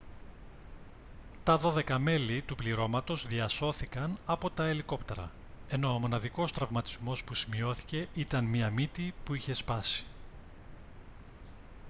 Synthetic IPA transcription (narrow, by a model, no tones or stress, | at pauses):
t̪ɐðo̞ðe̞kɐme̞lit̪upliɾo̞mɐt̪o̞zðiɐso̞θikɐnɐpo̞t̪ɐeliko̞pt̪e̞ɾɐ̰ | e̞no̞ːmo̞nɐðiko̞st̪ɾɐvmɐt̪i̥zmo̞spusimio̞θi̥ce̞it̪ɐnmiɐmit̪ipuiçe̞spɐsi̥